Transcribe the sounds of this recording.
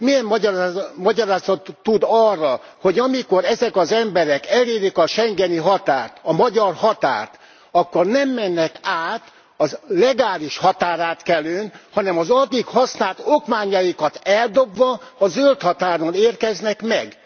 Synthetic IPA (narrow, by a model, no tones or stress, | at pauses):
mijɛm | mɒɟɒɾaːzɒt̪ːud̪ɒrːɒho̞ɟɒmiko̞ɾɛzɛkɒzɛmbɛɾɛkɛleːɾikɒʃɛŋɡɛniɦɒt̪aːrt̪ɒmɒɟɒrhɒt̪a̰ːrt̪ | ɒkːornɛmːɛnːɛkaːt̪ | ɒzlɛɡaːliʃhɒt̪aːɾaːt̪kɛløːnhɒnɛmɒzɒd̪ikhɒsnaːlt̪okmaːɲɒjikɒt̪ɛld̪o̞bʋɒːzølt̪hɒt̪aːɾoneːrkɛznɛkmɛ̰ɡ